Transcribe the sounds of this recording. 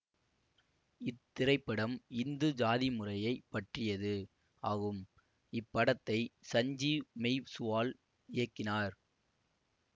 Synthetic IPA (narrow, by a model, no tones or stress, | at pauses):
ɪt̪ːɪɾɐɪpːɐɽɐmɪnd̪ɯd͡ʒaːðɪmʊrɐjɐɪpːɐʈrɪjɐðɯ | ʔaːɣɯm | ɪpːɐɽɐt̪ːɐɪsɐɲd͡ʒimɛɪʋsʊʋaːl | ɪjɐkːɪnaːɾ